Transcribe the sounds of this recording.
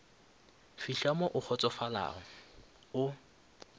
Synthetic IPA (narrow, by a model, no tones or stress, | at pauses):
fiɬamɔʔʊk͡xʰɔt͡sʼɔfala̰ːɔ | ʊ